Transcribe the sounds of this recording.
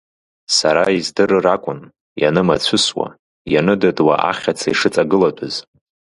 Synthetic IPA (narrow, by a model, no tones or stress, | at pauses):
saɾaizdɨɾɨrakʷʼʊn | ja̰nɨma̰t͡sʷʰɨswa̰ | janɨdadwaʔa̰χʲat͡sʰaiʂɨt͡sʼaɡɨladʷʰʼɨz